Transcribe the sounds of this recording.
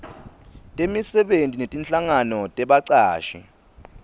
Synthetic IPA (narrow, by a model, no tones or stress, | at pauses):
tʼemisɛɓentʼinetʼint͡ɬʼaŋanɔtʼɛɓaǀaːʃḭ